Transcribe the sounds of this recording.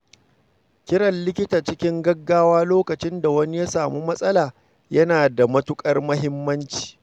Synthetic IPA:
kʲɪ˦ɽɐ˨nlɪ˦kʲɪ˦taː˨t͡ʃɪ˦kʲɪ˦ŋɡɐ˦ɡːaː˦waː˦loː˦kɐ˨t͡ʃɪ˦nda˨wɐ˦ni˦ja˦saː˨mu˦mɐ˦sʼɐ˦laː˨ | jɐ˦naː˨da˨mɐ˦tʊ˦kʼɐ˦rmɐ˦ɦɪ˦mːɐ˦nt͡ʃi̥ː˨

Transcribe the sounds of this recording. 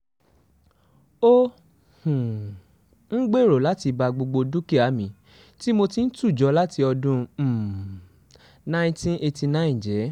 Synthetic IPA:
o˦ | hũ˨ | n̩˦ɡ͡be˦˨ɾo˨la˦ti˧ba˧ɡ͡bo˧ɡ͡bo˧du˦ki˦˨a˨˦mĩ˨˦ | ti˦mo˧ti˧n̩˦tu˦˨d͡ʒɔ˨˧˦la˦ti˧ɔ˧dũ˧˨ | nã˦ĩ˦tĩ˦ne˧ti˧nã˦ĩ˨d͡ʒɛ˨˦

